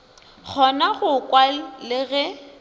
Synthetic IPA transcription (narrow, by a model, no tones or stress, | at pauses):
k͡xʰɔnaɣʊkʼwalɪɣɛ